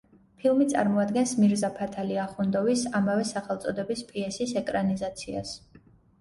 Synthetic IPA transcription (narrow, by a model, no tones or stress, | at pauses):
pʰilˠmit̪sʼa̰ɾmɔad̪ɡɛnsmiɾzapʰat̪ʰaliaχund̪ɔvisamavɛsaχɛlˠt̪sʼɔd̪ɛbispʼiɛsisɛkʼɾanizat̪sʰia̰s